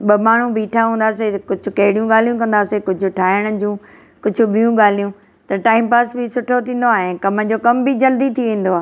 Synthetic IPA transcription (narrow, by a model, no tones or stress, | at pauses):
ɓɐmaːɳ̤ũbʱiːʈʰaɦũːnd̪aːsekʊd͡ʑʱʊkɐɦɪɽijũɠaːl̤ijũkɐ̃nd̪aːsekʊd͡ʑʱʊ̆ʈʰaːɪəɽ̃əd͡ʑũː | kʊd͡ʑʱʊ̆ɓijũɠaːl̤ijũ | t̪ɐʈaːɪmpaːsbʱɪsʊʈʰot̪ʰĩːn̆d̪oaːɦẽkɐməd͡ʑoːkɐmbʱid͡ʑɐld̪it̪ʰiʋẽːn̆d̪oaː